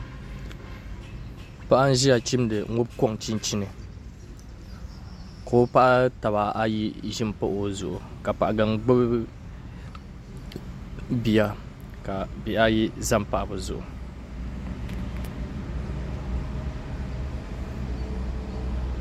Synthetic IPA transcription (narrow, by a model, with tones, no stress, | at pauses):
pa˦ʔa˦n̩˦ʒi˦ja˨t͡ʃi˦mdɨ˨ŋʊ˦bkɔ˦ŋt͡ʃi˦nt͡ʃi˦nɨ˨ | ko˨˦pa˦ʔa˦ta˨βa˨a˦ji˦ʒɪ˦m˨po˦ʔo˨zʊ˨ʔʊ˨ka˨pa˨ʔɡa˨ŋɡ͡bɨ˦b | bi˨a˦ | ka˨bi˨a˦ji˦za˦m˦pa˨ʔa˨bɨ˨zʊ̰˨ʔʊ̰˨